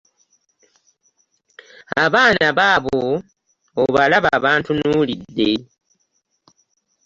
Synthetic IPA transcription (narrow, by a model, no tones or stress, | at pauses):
aβaːnaβaːβoː | βalaβaβaːntunuːlidːe̞